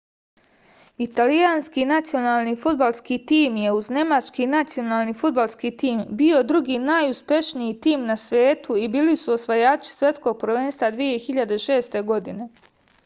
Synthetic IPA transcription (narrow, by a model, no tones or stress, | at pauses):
it̪alijaːnskinat̪sio̞naːlˠnifud̪̚balˠskit̪iːmje̞uzne̞mat͡ʃkinat̪sio̞naːlnifud̪̚balˠskit̪iːmbio̞d̪ɾuɡiːnaːjuspje̞ʃnijit̪iːmnasʋe̞ːt̪uibiːlisuosʋajaːt͡ʃi̥sje̞t̪sko̞ːɡ̚pɾʋe̞ːnst̪vad̪ʋije̞xiʎad̪e̞ʃe̞ːst̪e̞ɡo̞d̪ine̞